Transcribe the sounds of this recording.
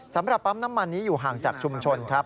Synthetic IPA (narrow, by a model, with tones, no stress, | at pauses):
sa˩˦mɾa˨˩p̚ːa˦˥mnaː˦˥mːa˧nːiː˦˥juː˨˩ɦaː˨˩ŋt͡ɕaː˨˩k̚t͡ɕʰu˧mt͡ɕʰo˧nkʰa˦˥p̚